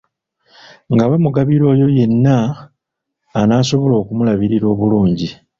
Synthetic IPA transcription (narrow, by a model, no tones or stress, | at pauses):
ŋɡawemuɡaβiɾo̞ːjo̞je̞nːa | naːso̞βo̞lo̞ːkumulaβiɾiɾo̞ːβuluːɲɟi